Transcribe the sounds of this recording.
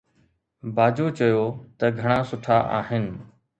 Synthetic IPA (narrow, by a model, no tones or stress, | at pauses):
baːd͡ʑoːt͡ɕɐjoːt̪ɐɡʱɐɽ̃aːsʊʈʰaʔaːɦɪnɪ̆